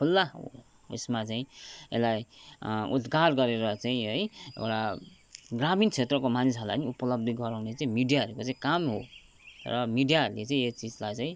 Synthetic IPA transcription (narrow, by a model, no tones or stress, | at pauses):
pʰulːaɦo̰ | ḛsmat͡saĩḛlajṵt̪ɡarɡʌɾeɾʌt͡saĩɦʌjḛwɽa | ɡramint͡sʰet̪rʌkomanisɦʌlaniupʌlʌb̚d̪ʱiɡʌɾawnet͡saĩmiɖijaɦʌɾukot͡saĩkamɦo | rʌmiɖijaɦʌɾulet͡saĩet͡sid͡zlajt͡saĩ